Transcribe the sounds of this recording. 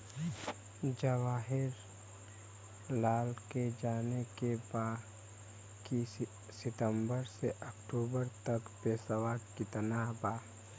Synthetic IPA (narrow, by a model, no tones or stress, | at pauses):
d͡ʒəwaːɦɪɾ | laːlked͡ʒaːnekebaː | ki | sɪt̪ə̃mbəɾseʔəkʈuːbəɾt̪əkpeːsawaːʈkit̪ənaɦbaː